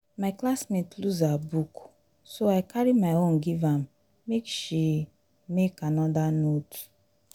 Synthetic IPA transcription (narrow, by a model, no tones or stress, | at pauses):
maɪklasmetluzabuk | soajkaɾimaɪõnɡivãm | mekʃi | mekanɔdanot